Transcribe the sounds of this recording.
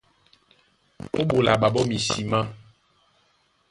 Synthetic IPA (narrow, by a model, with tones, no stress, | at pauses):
o˦ɓo˨la˨ɓa˨bɔ˦mĩ˨si˨mã˦